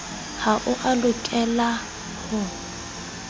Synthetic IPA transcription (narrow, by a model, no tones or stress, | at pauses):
haʔʊʔalʊkʼɛla | hɔ